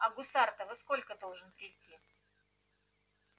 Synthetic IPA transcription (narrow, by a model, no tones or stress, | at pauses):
ɐɡʊsart̪əvɨsko̞lʲkəd̪olˠʐɨnpɾʲɪtʲːi